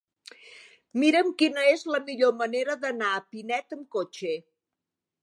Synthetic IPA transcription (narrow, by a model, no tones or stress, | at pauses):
miɾəmkinəezləmiʎoməneɾəðənaəpinɛt̪əmkot͡ʃe